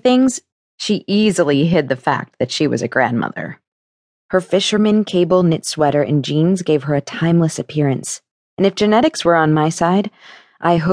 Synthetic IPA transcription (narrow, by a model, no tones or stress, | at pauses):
θɪ̃ŋz̥ | ʃiʔizl̩ˠiɦɪd̪̚ðɨfæ̰k̚t̚ðɨtʃiwʌ̰zɨɡɹæ̰̃nmʌ̰ðə̰˞ | hə˞fɪʃə˞mɨ̃nkʰeɪbl̩ˠnɪtswɛɾə˞ʔɨ̰̃nd͡ʒĩnzɡeɪv̥ə˞ɨtʰãɪ̃mləsɨpʰɪɹɨ̃ns | ɨ̃nɨfd̥ʒ̥ɨnɛɾɨkswə˞ə̃nmaɪsaɪɾ | ʔaɪɦo